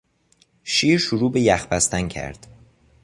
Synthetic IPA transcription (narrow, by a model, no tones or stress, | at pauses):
ʃiːɾʃuɾuːbejæxbæst̪æncʰæ̰ɾd̪̥